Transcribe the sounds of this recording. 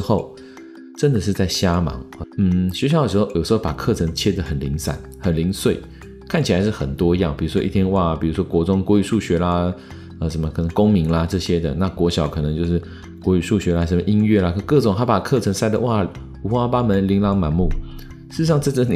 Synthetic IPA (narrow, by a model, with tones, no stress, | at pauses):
xo˥˨ʊ | ʈ͡ʂə˦nd̪ə˨ʂɻ̩˥˧t͡sa˥˩ɪɕja˥mɑ̰˧˥˦ŋ˨˩n̩˥˩ɕɥɛ˧˥ɕjɑ˧˦ʊdə˨˩ʂɻ̩˧xo˥˩ʊjo˨˩ʊʂɻ̩˧˥xo˥˩ʊpa˨˩kʰɤ˥˨ʈ͡ʂʰə˧˥ŋt͡ɕʰjɛ˥d̪ə˨xə˨˩nli˧˥ŋsa̰˨˩˦nxə˨˩nli˧˥ŋswe˥˩ɪ | kʰa˥˩nt͡ɕʰi˨˩la˧˦ɪʂ̬ɻ̩˥˩xə˨˩nt̪wɔ˥i˧jɑ˥˩ŋpi˨˩ɻu˧˥ʂwɔ˥i˥˩t̪ʰjɛ˥nwa˥˩pi˨˩ɻu˧˥ʂwɔ˥kwɔ˧˥t͡sʊ˥ŋkwɔ˧˥y˨˩ʂu˥˩ɕɥɛ˧˥la˧ | ə˧ʂə˧˦nmə˧kʰɤ˨˩nə˧˦ŋko˥ŋmi˧˥ŋla˧ʈ͡ʂɤ˥˩ɕjɛ˥d̪ə̰˨na˥˧kwɔ˧˥ɕjɑ˨˩ʊkʰɤ˨˩nɤ˧˦ŋt͡ɕjo˥˧ʊʂɻ̩˥˩ | kwɔ˧˥y˨˩ʂu˥˩ɕɥɛ˧˥la˧ʂə˧˥nmə˧ʔi˥nɥɛ˥˩la˨˧kkɤ˥˩ʈ͡ʂŋt̪ʰa˥pa˨˩kʰɤ˥˨˩ʈ͡ʂʰə˧˥ŋsa˥˩ɪd̪ə˨wa˥˩˨ | u˧˥xwa˥pa˥mə˧˦˥nli˧˥ŋlɑ˧˥ŋma˧˥nmu˥˩ | ʂɻ̩˥˩˧ʂɑ˥˧ŋʈ͡ʂɤ˥˧t͡sə˥˩˨